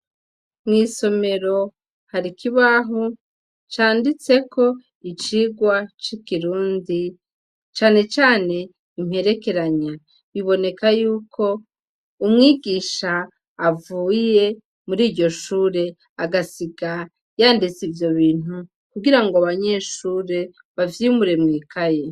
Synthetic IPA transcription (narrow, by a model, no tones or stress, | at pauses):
mŋiːso̞me̞ɾo̞ | haɾikʰiβaɦo | t͡ʃaːndit͡se̞kʰo̞ | it͡ʃiɡwat͡ʃikiɾuːndi | t͡ʃaːne̞t͡ʃaːne̞ | im̥he̞ɾe̞ke̞ɾaɲa | βiβo̞ne̞kajuːkʰo̞ | umŋiːɡiːʃaː | vuːje̞ | muɾiːɾɟo̞ʃuːɾe̞ | aɡasiɡa | jaːndit͡sivjo̞βiːn̥u | kuɡiɾaŋɡoaβaɲe̞ʃuːɾe̞ | βavjimuɾe̞mŋiːkʰaje̞